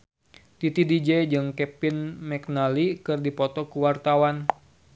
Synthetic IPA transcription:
t̪it̪idid͡ʒɛd͡ʒɨŋkɛpinmɛk̚nalikɨrdipɔt̪ɔkuwart̪awan

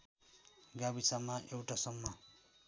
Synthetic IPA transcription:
ɡabisamaʔewʈasʌmːʌ

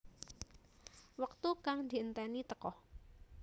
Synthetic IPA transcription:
wək̚t̪ukaŋd̪̥i̤ənt̪ɛnit̪əkɔh

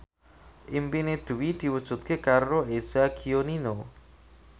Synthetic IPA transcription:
ʔimpined̪̥ṳwid̪̥i̤wud̥ʒ̥ṳt̪̚kekaroez̥aɡionino

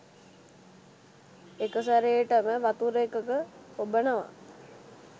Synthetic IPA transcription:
ekəsaɾejʈəməʋat̪uɾekəkəobənəʋa̰

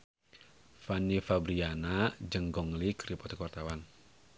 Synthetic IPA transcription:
fanifabɾianad͡ʒəŋɡɔŋlikɾipɔt̪ikwart̪awan

